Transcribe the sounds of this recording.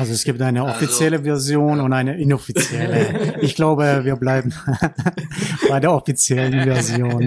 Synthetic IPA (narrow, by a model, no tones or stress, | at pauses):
ʔalzoɛsɡ̥iːp̚tʔaɪnəɔfit͡sjɛləvɛɐzjoːnʊntaɪnəʔɪnɔfit͡sjɛləʔɪçɡ̥laʊbəviːɐblaɪbm̩ | b̥aɪdeːɐʔɔfit͡sjɛlənvɛɐzjoːn